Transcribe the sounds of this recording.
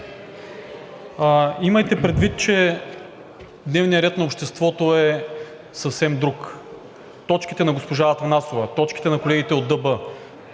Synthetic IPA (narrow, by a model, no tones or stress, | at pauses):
imɐjt̪ɛpɾɛd̪vit̪̚t͡ʃɛ | d̪nɛvnijəɾɛt̪nɐopʃt̪ɛst̪vɔt̪oɛ | səfsɛmd̪ɾuk | t̪ɔt͡ʃkit̪ɛnɐɡospoʒaɐt̪ɐnasovɐt̪ɔt͡ʃki̥t̪ɛnɐkolɛɡʲit̪ɛod̪ːɤbɤ